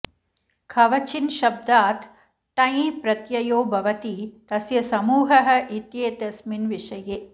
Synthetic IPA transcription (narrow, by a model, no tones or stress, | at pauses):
kʰɐʋɐt͡ʃʰinʃɐb̚d̪aːt̪ʰː | ɐjipɾɐt̪jɐjoːbʱɐʋɐt̪it̪ɐsjɐsɐmuːɦɐɦɐ̆ʔit̪jeːt̪ɐsminʋiʂɐjeː